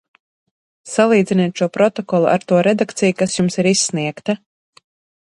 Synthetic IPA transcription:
salˠiːd̪zʲinɛːt̪ʃuɔpɾɔt̪ɔkɔlˠuʔa̰ɾt̪uɔɾɛd̪akt̪sʲijukasjumsiɾisːniɛkt̪a

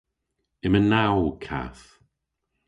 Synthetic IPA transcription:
ɪmənawkʰa̰θ

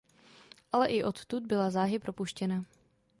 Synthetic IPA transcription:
ʔalɛʔɪʔo̞t̪t̪ud̪̚bɪlazaːɦɪpɾo̞puʃcɛna

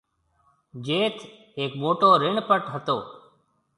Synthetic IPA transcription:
d͡ʒeːt̪ʰ | eːkmoːʈoːɾɪɳpəʈɦət̪oː

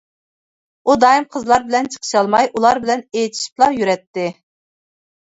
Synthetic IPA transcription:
ud̪ɑjimqʰəzlˠɑɾbɪlɛnt͡ʃʰə̥qʰə̥ʃɑlˠmɑjʔulˠɑɾbɪlɛnejt̪ʰi̥ʃi̥p̚lˠɑjyɾɛt̪ːɪ

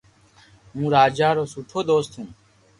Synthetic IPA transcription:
ɦũːɾaːd͡ʒaːɾoːsuːʈʰoːd̪oːst̪ɦũː

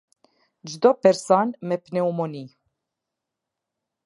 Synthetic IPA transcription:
d͡ʒd̪ɔpɛɾsanmɛpneumoni

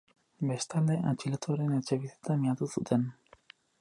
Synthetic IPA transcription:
best̪ald̪eʔat͡ʃilat̪uaɾenet͡ʃeβit̪et̪amiat̪usut̪en

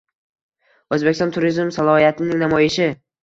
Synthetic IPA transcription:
ɵzbekʲɪsɒ̃nt̪ʰʊɾizmsalˠɒhijat̪ʰɪnɪŋnamɒjɪʃɪ

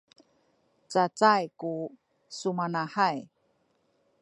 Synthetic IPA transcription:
t͡sat͡sajku | sumanaħaj

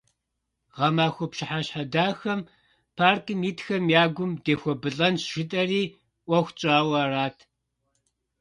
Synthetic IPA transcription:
ʁɐmaːxʷɔpʃɪħaɕħadaːxɐm | pʰaːrkʰɨmiːtxɐmjaːɡʷʊmdeːxʷɔbɨɬʼɐnsʃɪtʼɐriː | ʔʷɔxʷt͡ʃʼaːwɐraːtʰ

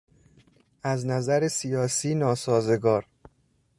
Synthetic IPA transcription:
ʔæznæzæɾesijɒːsiːnɒːsɒːze̞ɡɒːɾ

